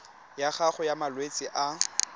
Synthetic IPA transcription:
jaχaχʊjamalwet͡sʼɪʔa

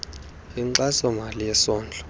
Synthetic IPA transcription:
iǀasɔmalijɛsɔːnd͡ɮʱɔ̥

